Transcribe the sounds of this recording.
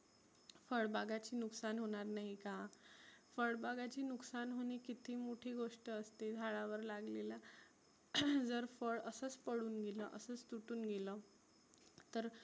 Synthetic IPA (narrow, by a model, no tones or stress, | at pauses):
fəɭbaɡat͡ɕiːnuksanɦoɽ̃aɾnaɦikã | fəɭbaɡat͡ɕiːnuksanɦoñikit̪ʰiːmoʈʰiːɡoʂʈəəst̪ed̪ʱaɭaʋəɾlaɡlela | d͡zəɾfəɭəsəːt͡spəɽuːnɡelə̰ʔəsəːt͡st̪uʈuːnɡelə | t̪əɾ